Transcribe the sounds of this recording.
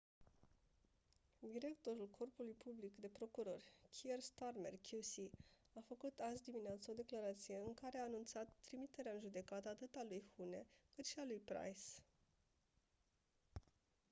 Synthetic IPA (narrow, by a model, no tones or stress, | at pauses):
d̪iɾe̞kt̪o̞ɾulkʰo̞rpulujpʰublikd̪e̞pɾo̞kuɾo̞rʲkʲʰierst̪arme̞̰rkʰʲusi | afəkut̪azʲd̪imineat̪səo̞d̪e̞klaɾat̪sije̞ɨŋkaɾeaːnunt̪sat̪ːɾimit̪e̞ɾeaɨnʒud̪e̞kat̪əːt̪ɨt̪alujhune̞kɨt̪ʃialujpɾa̰js